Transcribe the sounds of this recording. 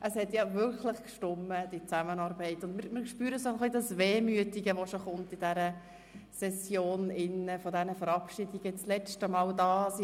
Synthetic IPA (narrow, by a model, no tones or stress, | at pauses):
ʔəshɛtjɑvʏɾkʰlɪχkʃtʊmːəd̥it͡sæmənɑːɾbɛɪtʊndmɪɾmɪɾkʃpyːɾəsoχlidɑsveːmyətiɡəʋoʃoχʊmtid̥æɾə | sɛsjoːnɪnːəfɔdɛnəfəɾɑpʃidiɡ̥ət͡slɛt͡stəmɑːldɑːs